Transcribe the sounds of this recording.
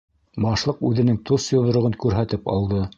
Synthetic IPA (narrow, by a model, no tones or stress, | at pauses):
bɑʃlˠɤqʉðɘ̆nɘŋt̪ʰosjŏðŏɾŏʁɤnkʉɾɦæt̪ɘpɑ̰lˠd̪ɤ